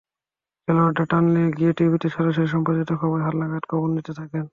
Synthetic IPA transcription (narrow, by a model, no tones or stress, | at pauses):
kʰeloaɖaʈanliɡieʈibʱit̪it͡ɕʰɔɾaʃ̬oɾiʃ̬ɔmpad͡ʑajt̪okʰɔboɾeɦaɾlaɡatkʰɔbonːit̪et̪ʰaken